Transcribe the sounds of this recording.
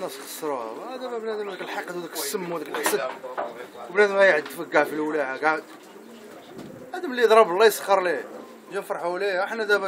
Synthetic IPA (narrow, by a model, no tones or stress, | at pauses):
nːæsxɑ̥sˤːɾˤuæ̰bæd̪æmæbnæd̪əmd̪æklħɑqɑd̪wd̪ækəsːəmːwd̪ækəlʔəsəd̪ | wbnæd̪mhæjʕəd̪ːfəɡːaʕfilwlæʕaɡaʕəd̪ | ʕæd̪əmlːid̪ˤɾˤɑbəlːɑjsˤqːəɾˤli | d͡ʒænfɾˤɑħuliaħnæd̪æmæ